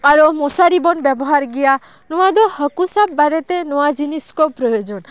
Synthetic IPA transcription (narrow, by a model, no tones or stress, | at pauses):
aɾumosaɾibɔnbjebɔɦaɾɡija | nɔwad̪ɔhəkusab̚ːaɾet̪enɔwad͡ʒiniskɔpɾɔjod͡ʒɔn